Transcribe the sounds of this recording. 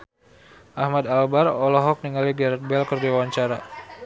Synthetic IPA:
ʔahmad̪albarɔlɔɦɔk̚niŋaliɡaɾɛt̪̚bɛlkərdiawaɲt͡ʃaɾa

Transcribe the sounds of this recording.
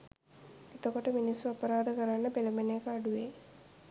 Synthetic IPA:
et̪okoʈəminisːuapəɾaːd̪əkəɾanːəpelɐmeneekəaɖuʋeː

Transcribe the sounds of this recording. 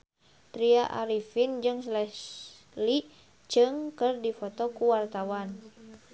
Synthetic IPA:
t̪ɾiaʔaɾifind͡ʒɨŋslɛs | li | t͡ʃɨŋkɨrdifɔt̪ɔkuwart̪awan

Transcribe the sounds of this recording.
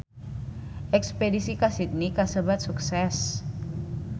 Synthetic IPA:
ʔɛkspedisikasit̪̚nikasəbat̪̚suksɛs

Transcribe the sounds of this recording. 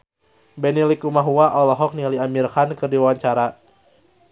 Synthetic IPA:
bɛnilikumaɦuaʔɔlɔɦɔk̚niliamirkankɨrdiwawaɲt͡ʃaɾa

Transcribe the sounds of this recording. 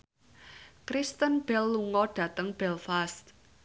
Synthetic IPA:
kɾist̪ənb̥ɛlːuŋɔɖ̥ä̤t̪əŋb̥ɛlfast̪̚

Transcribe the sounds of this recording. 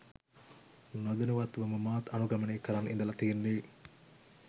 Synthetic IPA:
nod̪ɐnuʋat̪ʋɐmumaːt̪ɐnuɡɐmɐneːkɐɾanḭnd̪ɐlɐt̪iːnːiː

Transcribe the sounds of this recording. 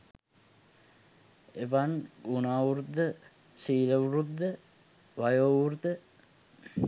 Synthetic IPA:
eʋanɡunaːʋuɾud̪ːə | siːləʋuɾud̪ːə | ʋajoːʋuɾut̪ə

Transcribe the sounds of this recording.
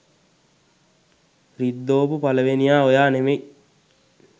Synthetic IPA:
rid̪ːoːpupaləʋenijaːojaːnemej

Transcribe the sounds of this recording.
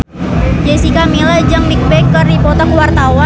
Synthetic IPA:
d͡ʒesikamilad͡ʒəŋnik̚bɛkːərdipɔt̪ɔŋwart̪awa

